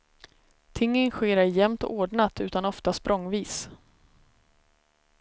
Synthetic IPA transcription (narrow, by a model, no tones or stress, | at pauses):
t̪ʰɪŋːənɧeːɾaɾjɛmt̪ɔoːɖɳat̪ʉ̟ːt̪anɔft̪aspɾʔɔŋːviːs